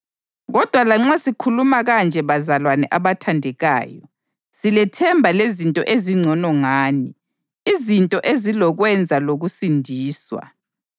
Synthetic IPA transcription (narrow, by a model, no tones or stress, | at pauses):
ɣɔd̥ʱwalaŋ͡ǁasikʰulumaɣand͡ʒʱɛβazalwanɛ̰ʔaβatʰandʱɛɣa̰ːjɔ̰ | silɛtʰɛmbʱalezintʼɔ̰ʔeziŋ͡ǀʱɔnɔŋaːni | izintʼɔʔezilɔɣwɛnd͡zʱaloɣusindʱiːswa̰